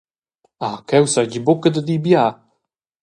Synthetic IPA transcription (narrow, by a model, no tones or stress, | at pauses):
akɛwsaɟibokəd̪əd̪ibja